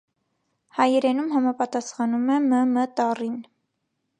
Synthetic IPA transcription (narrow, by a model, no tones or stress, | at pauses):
hɑjɛɾɛnumɦɑmɑpɑt̪ɑsχɑnumɛməmət̪ɑrin